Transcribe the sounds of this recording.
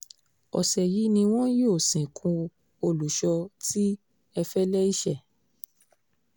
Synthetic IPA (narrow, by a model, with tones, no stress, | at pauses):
ɔ̰˨sɛ˨ji˨˦nĩ˧w̃ɔ̃˦jo˦˨sĩ˨kʰũ˧ | o˧lu˨ʃɔ˧ti˦ | ɛ˧fɛ˦lɛ˦i˦ʃɛ˦˨